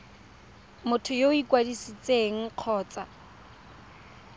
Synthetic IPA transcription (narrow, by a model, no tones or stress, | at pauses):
mʊtʰʊjoikʼwadisit͡sʼeŋ̩q͡χʰɔːt͡sa